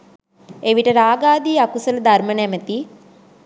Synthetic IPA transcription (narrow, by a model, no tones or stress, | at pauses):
eʋiʈəɾaːɡaːd̪iːakusələd̪armənæmət̪i